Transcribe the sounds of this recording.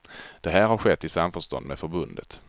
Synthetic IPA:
d̪̥ɛɦæːɾhaɾɧɛt̪ːɪsamfœʂt̪ɔ̰nd̪mɛːfœɾbɵnd̪ə̰t̪

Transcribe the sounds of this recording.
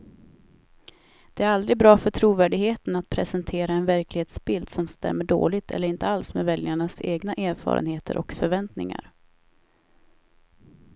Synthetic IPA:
d̪̥ɛæɾald̪ɾɪɡ̚bɾɑːfœʈʰɾuːvæːɖɪɡheːt̪ənat̪̚pʰɾɛsɛnt̪ʰeːɾaɛnvæɾklɪheːt̪sbɪld̪sɔmst̪ɛ̰mːəɖo̰ːlɪt̪ʰɛ̰lːəɾɪnt̪əalsmeːvɛljaɳaseːɡnaʔæːɾfɑ̰ːɾə̰nheːt̪ʰə̰ɾʔɔ̰kfœɾvɛnt̪nɪ̰ŋa̰ɾ

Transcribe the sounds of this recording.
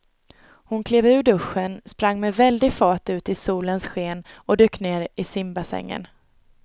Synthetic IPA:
hʊnkʰleːvʉ̟ːɖɵɧːənspɾaŋːmɛvɛld̪ɪɡfɑːʈʉ̟ːt̪ɪsuːlənsɧeːnɔd̪øːkːneːɾɪsɪmbasɛ̰ŋːə̰n

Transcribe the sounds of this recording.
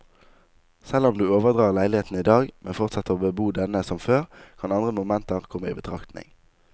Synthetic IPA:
sɛlʊmd̪ʉːoːʋəʁd̪ʁɑːʁlæɪlɪheːt̪n̩iːd̪ɑːɡmʔɛ̰nfɔʁt̪sɑt̪ːəʁobəbuːd̪ɛnəsɔmføːʁkʰɑnɑnd̪ʁəmʊmɛnt̪əʁkʰɔməḭːbət̪ʰʁɑkt̪nɪ̰ŋ

